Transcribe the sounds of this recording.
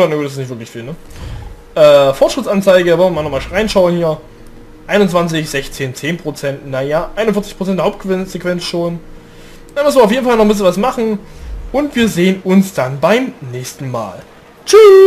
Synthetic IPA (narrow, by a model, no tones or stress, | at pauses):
anaɡuːtɪssnɪtvɪɐklɪçfiːlnə | ʔɛːfɔɐtʃʁ̥ɪtt͡sant͡saɪɡəvɔlvɐmaːnɔχmaːlʁaɪnʃaʊənhiːɐ | ʔaɪnʊnt͡sv̥ant͡sɪçz̥ɛçt͡seːnt͡seːnpʁ̥ot͡sɛntnajaʔaɪnʊnfɪɐt͡sɪçpʰʁ̥o̥t͡sɛntdeːhaʊpt̚ɡ̥vɪnz̥ekv̥ɛnt͡sʃoːn | danmɪsmvɪɐaʊfjeːdn̩falnɔχmbɪs̬lənvasmaχn̩ʔʊntv̥iːɐzeːənʊnsd̥anbaɪmnɛːçstn̩ma̰ːl | t͡ʃy